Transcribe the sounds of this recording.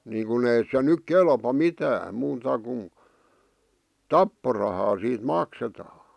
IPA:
niːŋkun ei se nyk kelpɑ mitæːm muːtɑ kun tɑpːorɑhɑː siːt mɑksetɑː

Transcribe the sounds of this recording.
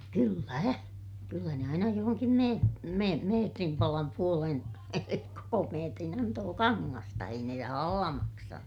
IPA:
kylːæ kylːæ ne ɑinɑ johoŋkim me me meːtrim pɑlɑm puolen koko meːtrin ɑntoː kɑŋːɑstɑ ei ne rɑhɑlːɑ mɑksɑnu

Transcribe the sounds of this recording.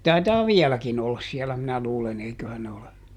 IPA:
jɑ tɑitɑː ʋiɛlækin olːɑs siɛlæ minæ luːlen eikøhæn ne ole

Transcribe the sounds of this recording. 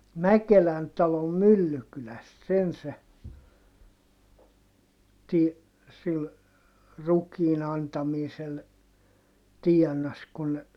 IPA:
mækelæn tɑlom mylːykylæst sen se ti sil rukiːn ɑntɑmiːsel tiɛnɑs kun

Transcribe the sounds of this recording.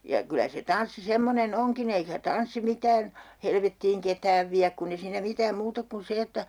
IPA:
jɑ kylæ se tɑnsːi semːonen oŋkin eikæ tɑnsːi mitæːn helʋetːiːŋ ketæːʋ ʋiæk kunː e siːnæ mitæːm muːt ok kun se etːæ

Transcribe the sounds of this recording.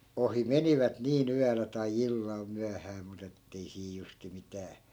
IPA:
ohi meniʋæt niːn yælæ tɑi ilːɑl myæhæː mut etːei siː justi mitæː

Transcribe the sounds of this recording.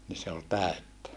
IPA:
ni se ol tæˑøtːæ

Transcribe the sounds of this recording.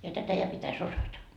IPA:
jɑ tætæ jɑ pitæs osɑtɑ

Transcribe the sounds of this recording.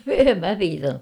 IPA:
em mæ piːtɑnːuk

